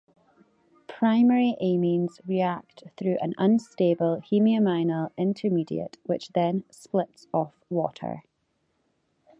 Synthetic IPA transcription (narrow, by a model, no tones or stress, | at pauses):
pʰɹ̥aɪmɛɹiʔemĩnzɹiak̚tθɹʉːʔə̃nə̃nstebəlˠhimiəmãɪnəlˠɪ̃ntʰə˞midḭə̰ʔwɪt͡ʃðə̃nsplˠɪtsɔfwɔ̰ʔə̰˞